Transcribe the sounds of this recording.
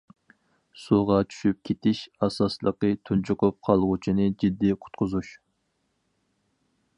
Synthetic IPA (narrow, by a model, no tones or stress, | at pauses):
suʁɑt͡ʃʰy̥ʃyp̚kʲʰet̪ʰɪʃɑsɑslˠəqət̪ʰunt͡ʃʰʊqʊp̚qʰɑlˠʁʊt͡ʃʰinɨd͡ʒid̪ːiqʰʊ̥t̪̚qʰʊzuʃ